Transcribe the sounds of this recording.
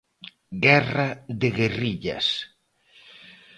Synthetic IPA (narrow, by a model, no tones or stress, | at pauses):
ɡɛraðeɣeriʎa̰s